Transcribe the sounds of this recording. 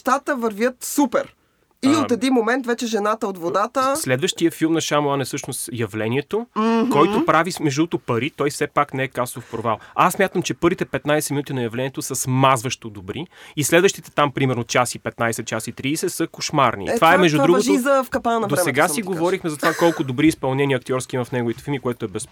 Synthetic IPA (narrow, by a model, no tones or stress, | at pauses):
ʃt̪at̪əvɐɾvʲjət̪supɛɾ | iot̪ɛd̪inmomɛnt̪vɛt͡ʃɛʒɛnat̪əot̪vod̪at̪əslɛd̪vəʃt̪iəfilˠmnɐʃamanɛsɤʃnost̪jɐvlɛniɛt̪okɔjt̪opɾavimɛʒd̪ut̪opɐɾit̪ɔjfsɛpaknɛɛkaslˠofpɾovalˠassmʲjat̪əmt͡ʃɛpɤɾvit̪ɛpɛt̪najsɛminut̪inɐjɐvlɛnʲiɛt̪osɐsmazvəʃt̪od̪obɾiːslɛd̪vəʃt̪it̪ɛ̥t̪ampɾimɛɾnot͡ʃasipɛt̪najsɛt̪t͡ʃasit̪ɾiːsɛsɐkoʃmaɾnḭt̪ovaɛmɛʒd̪udɾuɡoʒizɐfkɐpanɐd̪oɾsɛɡasiɡovɔɾixmɛzɐt̪ovakɔlˠkʊd̪obɾiːspɐlˠnɛnʲiəɐkt̪iɔɾsk̟iimɐfnɛɡoʊvit̪ɛ̥filˠmikoɛt̪oɛbɛs